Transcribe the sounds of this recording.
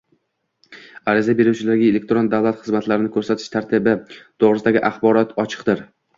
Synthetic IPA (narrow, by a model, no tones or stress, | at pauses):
aɾɪzabe̞ɾuwt͡ʃʰɪlaɾɡʲaele̞k̚ʲt̪ɾo̞nd̪avlˠat̪χɨzmat̪laɾɪnɪkʰɵɾsat̪ʰɪ̥ʃt̪ʰaɾt̪ʰɪbɪt̪ʰoʁɾɪsɪd̪aɡʲɪʔaχbɒɾɒt̪ʰɒt͡ʃʰɨ̥qd̪ɪɾ